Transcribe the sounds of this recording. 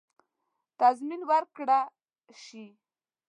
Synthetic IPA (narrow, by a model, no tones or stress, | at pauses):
t̪azminwaɾkɽa | ʃi